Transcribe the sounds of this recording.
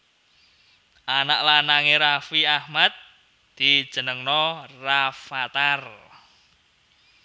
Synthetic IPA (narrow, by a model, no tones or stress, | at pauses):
ʔanaʔlanaŋeɾafiahmat̪̚ | d̪̥i̥ʒ̥ə̤nəŋnɔrafat̪ar